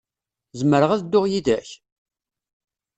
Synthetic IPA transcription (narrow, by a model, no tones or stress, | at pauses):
zəməɾəʁæðd̪ːʊʁjiðæç